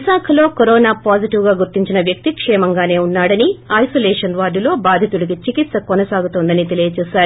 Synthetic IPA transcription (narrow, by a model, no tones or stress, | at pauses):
isaːkʰɐlo̞ːkoɾoːnaːpaːd͡ʒiʈiwɡaːɡuɾt̪iɲt͡ʃinɐʋjɐk̚t̪ikʂɛːmɐŋɡaːne̞ːunːaːɽɐniɐjsolɛːʂɐnʋaːɾɖulo̞ːbaːd̪ʱiɐt̪uɽik̬it͡ʃikit̪sɐkɔnɐsaːɡut̪oːnd̪ɐnit̪e̞lijɐt͡ʃɛːsaːɾu